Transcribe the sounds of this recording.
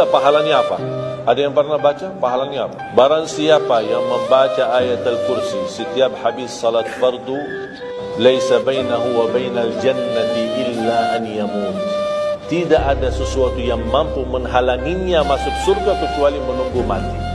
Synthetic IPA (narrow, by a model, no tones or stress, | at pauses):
apaɦalanɲaapa̰ʔadajaŋpərnabat͡ʃapaɦalanɲaapabaɾaŋsiapajaŋməmbat͡ʃaʔajat̪alkuɾsisət̪iap̚ħabisːɑlat̪fɑrd̪u | lajsabajnaɦuwabajnald͡ʒanːat̪ʔɪlːaʔanjamuːt̪t̪idaʔadasəsuat̪ujaŋmampuməŋɦalaŋiɲamasʊksurɡakət͡ʃualimənuŋɡuma̰t̪i